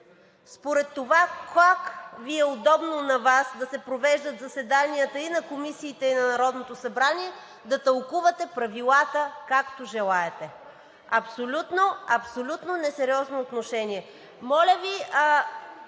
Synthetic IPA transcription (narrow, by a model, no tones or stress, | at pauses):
spoɾɛt̪ːovakakviɛod̪ɔbnonɐvasd̪ɐsɛpɾovɛʒd̪ɐt̪zɐsɛd̪aniət̪əinɐkomisiːt̪ɛinɐnɐɾɔd̪not̪osɐbɾaniɛ | d̪ɐt̪ɐlˠkuvɐt̪ɛpɾɐvilˠat̪əkakt̪oʒɛlˠaɛt̪ɛ | ɐpsolʲut̪noɐpsolʲut̪nonɛsɛɾiɔznoːt̪noʃɛniɛ | mɔlʲəvi